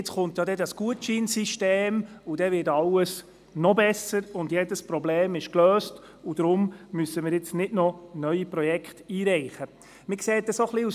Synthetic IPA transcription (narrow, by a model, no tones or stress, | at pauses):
ɪt͡sχʊntjɑdɛdɑsɡ̥uətt͡ʃiːnsiʃteːmud̥ɛvɪːtɑləs | nɔbɛsəɾʊndjɛdəspɾɔbleːmɪʃkløːst | ʊd̥ɾʊmmysəmɪːɾjɪt͡snɪdnɔnœʏiprɔjɛkχtiːɾɛɪχə | mɪkseːt̚dɛsoχliu